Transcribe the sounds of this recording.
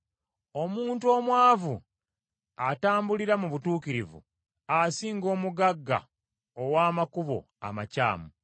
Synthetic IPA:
omuːntuo̞ːmwaːvu | ataːmbuliɾamuβutuːkiɾivṵ | asiːŋɡo̞ːmuɡaɡːa̰ | owaːmakuβo̞̰ | a̰maca̰ːmu

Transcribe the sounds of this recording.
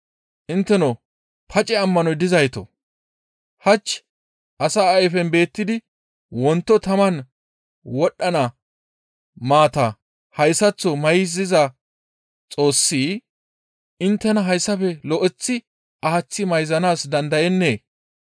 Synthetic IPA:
ʔɪnt̪ːɛnɔ | pʰɐt͡ʃʼɛɐmːɐnɔjd̪ɪzɐjt̪ɔ̰ | hɐt͡ʃː | ʔɐsaːɐjfɛnbe̞ːt̪ːɪd̪ɪ | wɔnt̪ːɔt̪ɐmɐn | wɔɗːɐnɐ | maːt̪ɐ | hɐjsɐt͡sːɔmɐjɪzɪzɐ | t͡sʼo̞ːsːiː | ɪnt̪ːɛnɐɦɐjsːɐfɛlɔʔɛt͡sːɪ | ʔɐhɐt͡sːɪmɐjzɐnaːsd̪ɐnd̪ɐjɛnːeː

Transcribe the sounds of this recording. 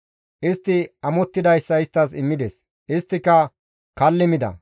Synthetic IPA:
ʔɪst̪ːɪɐmɔt̪ːɪd̪ɐjsːɐɪst̪ːɐsɪmːɪd̪ɛs | ʔɪst̪ːɪkːɐ | kɐlːɪmɪd̪ɐ̰

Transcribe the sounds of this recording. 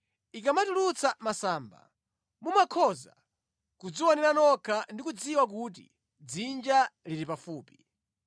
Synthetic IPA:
ik̬amatulut͡sʰamasaːmba̰ | mumakʰɔza̰ | kud͡ziwɔnɛɾanɔkʰandikud͡ziwak̬ut̬ḭ | d͡zind͡ʒaliɾipafuːpi̥

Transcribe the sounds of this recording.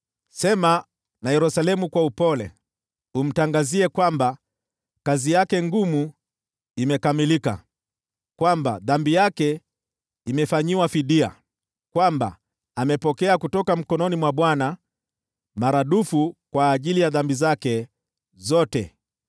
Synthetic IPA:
sɛma | najɛɾusalɛmukwaupɔlɛ̰ | um̩taŋɡaziɛkwamba | kazijakɛŋɡumu | imɛkamilika̰ | kwamba̰ðambijakɛ | imɛfaɲiwafiɗia̰ | kwamba̰ | amɛpɔkɛakutɔkam̩kɔnɔnimwaɓwana | maɾaɗufukwaːʄilijaðambizakɛ | zɔtɛ̰

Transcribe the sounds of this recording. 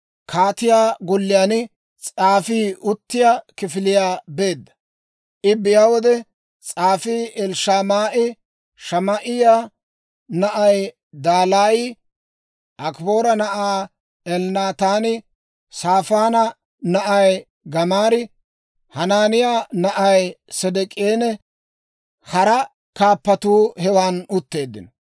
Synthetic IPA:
kʰaːt̪ɪjaːɡɔlːɪjaːn | t͡sʼaːfiːʊt̪ːɪjaːkɪfɪlɪjaːbe̞ːd̪ːɐ̥ | ʔɪbɪjaːwɔd̪ɛ | t͡sʼaːfiːɛlʃaːmaːʔɪ | ʃɐmɐʔɪjaː | nɐʔɐj | d̪aːlaːji | ʔɐkbo̞ːɾɐnɐʔaː | ɛlnaːt̪aːnɪ | saːfaːnɐ | nɐʔɐj | ɡɐmaːɾɪ | hɐnaːnɪjaːnɐʔɐjsɛd̪ɛkʼeːnɛ | hɐɾɐ | kaːpːɐt̪uːhɛwaːnʊt̪ːe̞ːd̪ːɪ̰n

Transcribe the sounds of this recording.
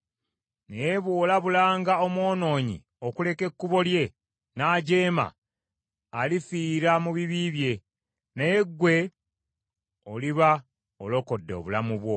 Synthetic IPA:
nejeβwo̞ːlaβulaːŋɡaomwo̞ːno̞ːɲḭ | o̞kule̞ke̞kːuβo̞lje̞ | naːɟe̞ːma̰ː | lifiːɾamuβiβiβje̞ | nejeɡwe̞ | oliβa | olo̞ko̞dːeo̰βulamuβwo̞

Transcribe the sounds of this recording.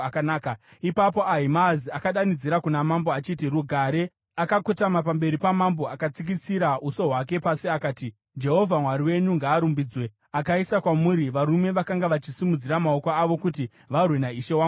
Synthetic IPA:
akanaːka | ipapo̞ʔaɦimaziakaɗanid͡ziɾakunamamboat͡ʃitiruɡʱaɾe̞ | akakotamapambe̞ɾipamambo̞akat͡sik̬it͡siɾauso̞ɦwak̬e̞pasiakaːti | d͡ʒe̞ɦo̞vʱamwaɾiwe̞ɲuŋɡaːɾumbiːd͡zwe̞ | akaisakwamuɾiʋaɾume̞ʋakaŋɡaʋat͡ʃisimud͡ziɾamao̞koaʋo̞kuti | ʋarwe̞naiʃe̞wa

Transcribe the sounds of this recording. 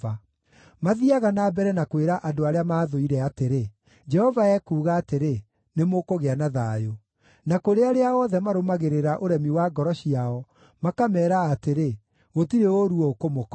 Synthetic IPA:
a | maðiaɣanabɛɾɛnakweɾaʔadoaɾeamaːðoiɾɛateɾe | d͡ʒɛhɔvaɛːkuːɣaːteɾe | nemokoɣeanaðaːjo | nakoɾeaɾeaɔðɛmaɾomaɣeɾeɾaʔoɾɛmiwaɡɔɾɔɕiaɔ | makamɛːɾaːteɾe | ɣotiɾeoɾuɔokomokɔ

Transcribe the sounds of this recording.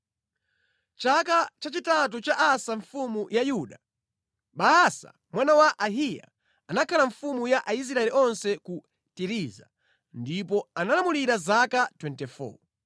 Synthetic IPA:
t͡ʃakat͡ʃat͡ʃitat̬ut͡ʃaʔasaɱfumujajuɗa | ɓaːsa̰ | mwanawaʔaɦija̰ | anakʰalaɱfumujaʔais̬ɾaɛliʔɔnsɛku | tiɾiza̰ | ndip̬ɔanalamuliɾazakatwɛntɛfɔ̰

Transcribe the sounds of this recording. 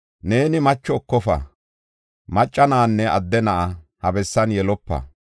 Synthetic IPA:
ne̞ːnɪmɐt͡ʃːɔːkːɔfɐ̰ | mɐt͡ʃʼːɐnaːnːɛʔɐd̪ːɛnɐʔɐhɐbɛsːɐnjɛlɔpːɐ̰

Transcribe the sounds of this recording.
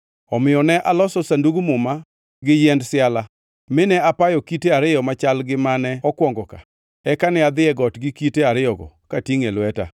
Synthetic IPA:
ɔmɪjɔnɛʔalɔsɔsanduɡmʊma | ɡɪjɛndsɪala | mɪnɛapajɔkiteaɾɪjɔmat͡ʃalɡɪmanɛɔkwɔŋɡɔka̰ | ɛkanɪad̪ɪɛɡɔtɡɪkiteaɾɪɔɡɔ̰katiŋelwɛta̰

